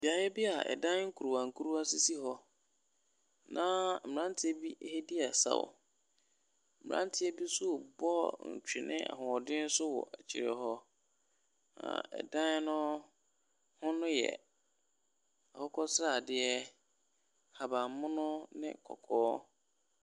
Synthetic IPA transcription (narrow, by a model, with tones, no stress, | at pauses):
bi˨a˨jɛ˦bi˦a˨ɛ̰˨dã˦n˦ŋ̩˦kʰu˨u˨wã˨ŋ˨kʰu˦ɾu˦a˦si˦si˦ɦɔ˦ | nã˦m̩˨ã˦n˦tʰɪ˦ɛ˦bi˦he˦di˦a˨sa̰˨w̰ | m̩˨m˨ɾã̰˦ntʰɪ˦ɛ˦bi˦sʊ˦˨bɔ˦ɲ̩˨t͡ɕᶣɪ˨nɪ̰̃˦ʔa̰˨ɦʊ̃˨ɔ˨dɪ̃˦n̩˦sʊ˦wɔ̰˨ʔæ˨t͡ɕʰi˨ɾɛ˨ɦɔ˦ | ã̰˨ɛ̰˨dã˦n˦nʊ̃˦ | hʊ̃˦nʊ̃˦jɛ̰˨ | a˨hɔ˦kʰɔ˦sɾa˦˨dɪ˦ɛ˦ | ha˨ba˨mʊ̃˦nʊ̃˦nɪ̰̃˦kʰɔ̰˨kʰɔː˦